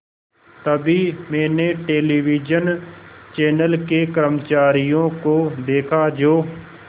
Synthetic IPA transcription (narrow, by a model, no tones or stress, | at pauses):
t̪əbimɛ̃ːneʈeːliːʋiːd͡ʒənt͡ʃɛːnəlkekəɾəmt͡ʃaːɾijõːkoːd̪eːkʰad͡ʒoː